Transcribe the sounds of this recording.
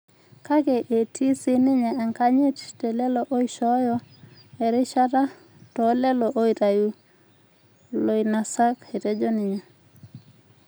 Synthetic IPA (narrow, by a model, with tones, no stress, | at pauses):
ka˦kɛ˨ʔe˨tʰi˦si˦nɪ˦ɲɛ˨a˨ŋka˦ɲɪ˦ttɛ˨lɛ˦lɔ˨ʔo˦i˦ʃɔ˦jɔ˦ɛ˨ɾɪ˦ʃa˦ta˦ | tɔ˨˦lɛ˦lɔ˨ʔo˦i˨ta˨ju˦ | lo˨i˨na˨sa˦ke˨tɛ˦d͡ʒɔ˦nɪ˨ɲɛ˨